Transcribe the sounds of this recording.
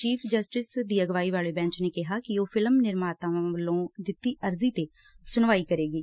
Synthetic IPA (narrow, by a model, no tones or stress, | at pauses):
t͡ʃiːpʰd͡ʒəsʈɪsd̪iːəɡʋaːiːʋaːɭeːbɛ̃ːɲt͡ʃneːkɪɦaːkɪoːpʰɪləmnɪɾmaːt̪ãːʋəlːõːd̪ɪt̪ːiːʔəɾziːt̪eː | sʊnʋaːiːkəɾeːɡiː